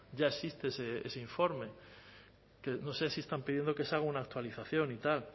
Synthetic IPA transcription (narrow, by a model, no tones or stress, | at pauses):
ɟ͡ʝae̞sist̪eeseḛseiɱfo̞ɾme̞ | keno̞se̞siest̪ampiðjend̪o̞ke̞saɣunaːk̚t̪waliθaθjo̞nit̪al